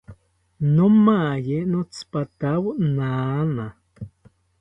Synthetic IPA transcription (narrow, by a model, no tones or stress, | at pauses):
nomajenot͡spat̪awnaːna